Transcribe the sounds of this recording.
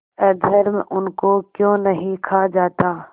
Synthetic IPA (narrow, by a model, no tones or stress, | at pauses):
ɛd̪ʱəɾmʔʊnkokjõːnɐɦĩkʰad͡ʒaːt̪aː